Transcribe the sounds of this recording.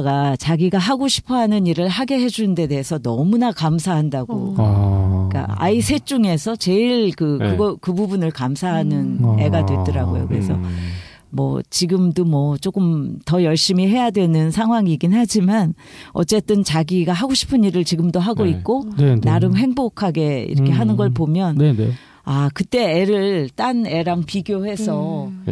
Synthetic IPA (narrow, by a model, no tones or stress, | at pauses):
ɡat͡ɕaɡiɡaɦaɡoɕʰi̥pʰʌɦanɯniɾɯɭɦaɡe̞ɦe̞d͡ʑunɯnde̞de̞ɦːsʰʌnʌmunakamsʰaɦandaɡo̰ | ik͈a̰a̰isʰe̞t͡ɕ͈uŋe̞sʰʌt͡ɕe̞iɭkɯkɯɡʌkɯbubunɯɭkamsʰaɦanɯne̞̰ɡadwe̞t͈ɯɾaɡo̰jo̰kɯɾe̞sʰʌ | mwʌ̰t͡ɕiɡɯmdomwʌt͡ɕ͈ok͈ɯmtʌjʌɭɕ͈imiɦe̞jadwe̞nɯnsʰaŋɦwaŋiɡinhad͡ʑiman | ʌ̰t͡ɕ͈e̞t͈ɯnt͡ɕaɡiɡaɦaɡoɕʰi̥pʰɯniɾɯɭt͡ɕiɡɯmdoɦaɡoik̚k͈onaɾɯmɦe̞ŋbokʰaɡe̞ḭɾʌkʰe̞ɦanɯnɡʌɭpomjʌn | akɯt͈e̞eɾɯɭt͈ane̞ɾaŋpiɡjohe̞sʰʌ